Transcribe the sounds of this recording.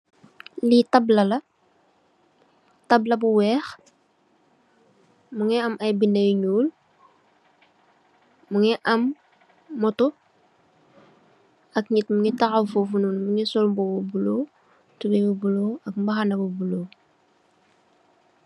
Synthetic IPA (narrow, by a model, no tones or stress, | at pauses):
litablɐlɐ | tɐblɐbuwɛːx | muŋɛɐmɐjbinɐjɲuːl | muŋɛʔɐmː | ɔtu | ɐkɲitmuŋitaxafufununmuŋisɔlmbobubulo | tubebubuloːɐkmbaxanɐbubuloː